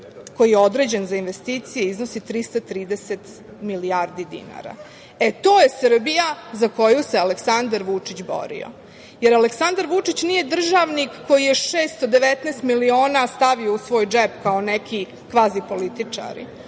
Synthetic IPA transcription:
ko̞jijeo̞d̪ɾe̞ːd͡ʑenzainʋest̪iːt̪sijeizno̞sit̪ɾist̪at̪ɾiːd̪eset̪ | miliaɾd̪id̪ḭna̰ɾa̰ | e̞t̪o̞ːje̞srbijazako̞juse̞aleksand̪aɾʋut͡ʂit͡ɕbo̰ɾḭo̰ | jeɾaleksand̪aɾʋut͡ʂit͡ɕnije̞d̪r̩ʒaʋnikːo̞jijeʃeːst̪od̪eʋet̪nest̪milio̞ːnast̪aʋio̞usʋo̞ːjd͡ʒepkao̞nekʰi | kʋaːzipo̞lit̪it͡ʂa̰ɾḭ

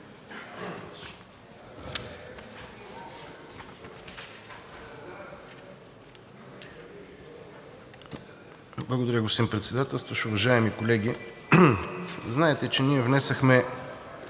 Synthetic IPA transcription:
blˠɐɡod̪ɐɾʲəɡosimpɾɛt̪sɛd̪at̪ɛlˠst̪vɐʃʊvɐʒaɛmikolɛɡ̟ʲi | znaɛt̪ɛt͡ʃɛniɛvnɛsɐxmɛ

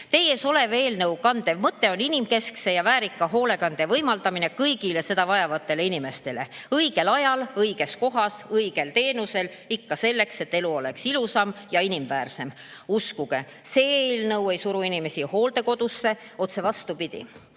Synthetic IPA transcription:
t̪e̞jeso̞le̞veːlnɤwkɑnd̪̥emɤt̪ːˑe̞o̞ninimke̞skse̞jɑvæːɾikːˑɑɦo̞ːle̞kɑnd̪̥evɤjmɑld̪ɑmine̞kɤjɡile̞se̞d̪̥ɑvɑjɑvɑt̪ːe̞leinime̞st̪e̞leɤjɡ̥e̞lɑjɑlɤjɡ̥e̞sko̞ɦɑsɤjɡ̥e̞lt̪e̞ːnuse̞l | ikːɑse̞lːe̞kse̞t̪ːe̞luo̞le̞ksilusɑmjɑinimvæːrse̞m | uskuɡ̥e̞ | se̞eːlnɤwe̞jsuɾuinime̞siho̞ːld̪e̞ko̞d̪̥usːe̞ | o̞t̪se̞vɑst̪upid̪̥ʲḭ

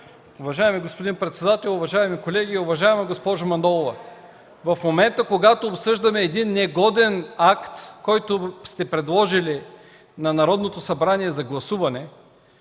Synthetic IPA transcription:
ʊvɐʒaɛmiɡospod̪inpɾɛt̪sɛd̪at̪ɛlˠʊvɐʒaɛmikolɛɡʲiʊvɐʒaɛmɐɡospɔʒʊmɐnd̪ɔlˠovɐ | vɐfmomɛnt̪əkoɡat̪oːpsɤʒd̪ɐmɛːd̪inːɛɡɔd̪ɛnakt̪kɔjt̪ost̪ɛpɾɛd̪lˠɔʒili | nɐnɐɾɔd̪not̪osɐbɾaniɛzɐɡlˠɐsuvɐnɛ

